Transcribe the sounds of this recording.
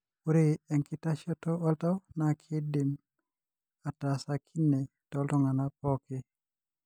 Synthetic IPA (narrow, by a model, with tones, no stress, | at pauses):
pu˦ɾeɛ˨ŋki˦ta˦ʃɔ˦toɔ˦lta˦wnakʰi˦di˨m | a˨tasakʰi˦nːe˨ | tɔltɔ˦ŋa˨napɔke˦